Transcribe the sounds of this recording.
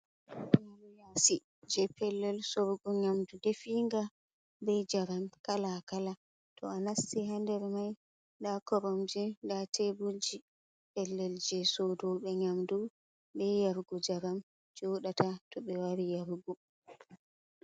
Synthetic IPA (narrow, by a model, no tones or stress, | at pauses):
ʔɛanɛjasi | d͡ʒɛpɛlːɛlsɔɾɡɔɲamdudefiŋɡa | bɛd͡ʒaɾamkalakala | tʰɔanasːiɦandɛɾmaj | dakɔɾɔmd͡ʒindatʰebuld͡ʒi | pɛlːɛld͡ʒɛsɔdɔɓɛɲamdu | bɛjaɾɡɔd͡ʒaɾam | d͡ʒɔɗatatɔɓɛwaɾijaɾɡɔ